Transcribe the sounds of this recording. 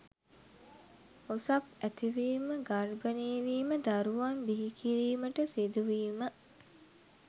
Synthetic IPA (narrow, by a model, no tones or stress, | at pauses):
osapæt̪iʋiːməɡarbəneːʋiːməd̪aɾuʋambiɦikʰiɾiːməʈəsid̪uʋiːmə